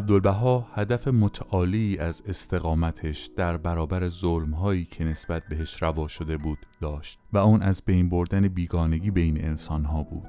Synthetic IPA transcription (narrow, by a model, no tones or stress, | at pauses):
æb̚d̪olbæɦɒːhæd̪æfe̞mot̪ʰæʔɒːliːʔæze̞st̪ʰe̞ɣɒːmæt̪ʰeʃd̪̥æɾbæɾɒːbæɾezolmɦɒːiːcʰe̞ne̞sb̥æt̪̚ʰbe̞ɦe̞ʃɾævɒːʃo̞d̪e̞buːd̪̥ːɒːʃt̪væuːnʔæzbejnbo̞ɾd̪æne̞biːɡɒːne̞ɟiːbejne̞̰ensɒnɦɒːbuːd̪̥